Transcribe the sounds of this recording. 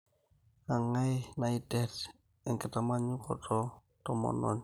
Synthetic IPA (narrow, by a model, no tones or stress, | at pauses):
aŋajnaitɛt | ɛŋkɪtamaɲukɔ̰tʰɔ | tɔmɔ̰nɔ̰ɲ